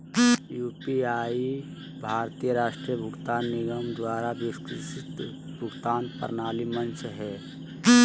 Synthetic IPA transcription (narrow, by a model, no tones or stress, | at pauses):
juːpiaːi | bʱaːɾt̪ijəɾaːʃʈɾijəbʱʊɡt̪aːnːiɡəmd̪waːɾabiskiʃit̪ | bʱʊɡt̪aːnpə̰ɾnaːlimənt͡ʃʰɦɛː